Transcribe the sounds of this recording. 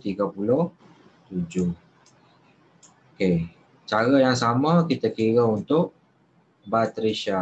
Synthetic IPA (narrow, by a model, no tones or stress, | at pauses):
t̪iɡapulʊh | t̪ud͡ʒʊh | oke | t͡ʃaɾajaŋsamə̃kit̪akiɾaunt̪ʊʔ | bat̪ɾiʃa